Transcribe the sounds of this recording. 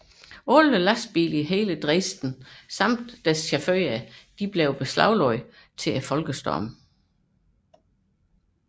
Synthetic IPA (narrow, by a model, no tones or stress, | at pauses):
ɔləlæs̚b̥ḭːliɦe̝ːləd̥ʁesd̥n̩sɑ̈m̰d̥ːæsɕæføɪæd̥ib̥leʊb̥eslɑ̈ʊlɒɪ | t͡sʰe̝æfɒ̽lɡ̥əsd̥ɒ̰m